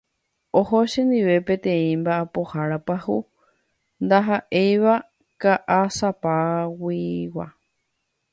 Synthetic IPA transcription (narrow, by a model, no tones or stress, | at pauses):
oɦoʃẽnd̪iʋe̞pẽt̪ẽĩmbaapohaɾapahu | nd̪aɦaʔejβa | kaʔasapawiwa̰